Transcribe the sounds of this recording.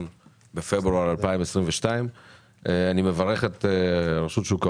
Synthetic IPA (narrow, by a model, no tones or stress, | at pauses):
n | befebʁuaʁalpaimesʁimveʃtaim | eanimevaʁeχet̪eʁeʃutʃuka